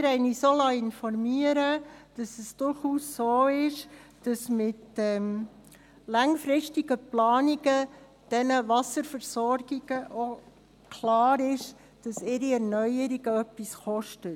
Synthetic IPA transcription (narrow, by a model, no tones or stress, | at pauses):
ɾɛɪnisolɑɪnfɔɾmiəɾəd̥ɑsəsd̥ʊɾχuːsːoːɪʃd̥ɑsmɪtɛm | lɑŋfɾɪʃtiɡəplɑːniɡə | d̥ɛnəʋɑsəɾfəɾsɔɾɡ̥iɡ̥əʔo | kʰlɑːɾɪʃ | d̥ɑsɪɾiɛɾnœjəɾiɡ̥əœpːisχɔʃtə